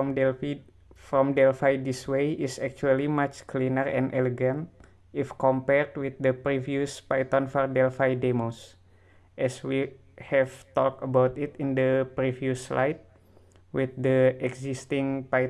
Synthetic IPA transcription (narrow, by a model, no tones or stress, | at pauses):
ɔmɛ | fɾɔmdɛlfajdiswejisɛk̚t͡ʃualimat͡ʃklinərɛ̰̃nʔɛlɛɡãnt̪̚ | ʔifkɔ̃mpɛrd̪̚wiθ̚dəpɾiviuspajt̪ɔnfɔrdɛlfajdemos | ʔɛswi | hɛvt̪ɔk̚təbawt̪it̪indəpɾivjusla̰jt̪̚ | wiθ̚dəɛksist̪iŋpaj